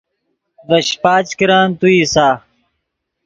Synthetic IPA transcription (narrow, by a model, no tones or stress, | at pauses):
vɐɕpaːt͡ɕkiɾaːnt̪uiːsaː